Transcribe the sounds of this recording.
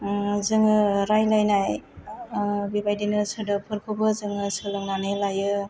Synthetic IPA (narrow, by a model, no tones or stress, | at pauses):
zɯŋɯɾajlajnaj | bibajdinɯsɯdɯpʰɯɾkʰɯbɯzɯŋɯsɯlɯŋlanɯlajɯ